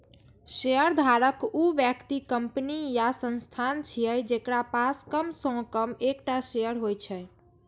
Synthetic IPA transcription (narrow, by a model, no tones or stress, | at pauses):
ʃejəɾd̪ʱaɾəkuʋjəkt̪ikəmpnijasə̃nst̪ʰant͡ʃʰijəjd͡ʒekɾapaskəmsɔ̃kəmekʈasejəɾɦojt͡ʃʰɛ